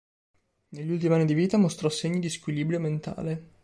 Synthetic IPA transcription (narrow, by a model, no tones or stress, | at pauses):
neʎːiult̪imianːid̪iviːt̪amost̪ɾɔseɲːid̪iskwiliːbɾjoment̪a̰ːle